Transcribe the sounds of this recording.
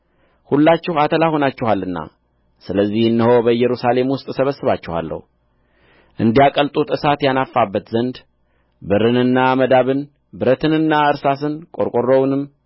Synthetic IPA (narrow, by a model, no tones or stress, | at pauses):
hulːat͡ʃːɪhat̪ʰəlaho̞nat͡ʃːɪhalːɨnːa̰ | sɨləzːihɨnːɨho̞bəɨjːɛɾusale̞mwʊst̪ʼsəβəsːɨβat͡ʃːɪha̰lːə̰hu | ʔɨnd̪ijakʼəlt̪ʼut̪ɨsat̪janafːabːət̪zənd̪ | bɨɾɨnɨnːaməd̪aβɨn | bɨɾət̪ʰɨnɨnːaɨɾsasɨnkʼoɾkʼorːownɨmː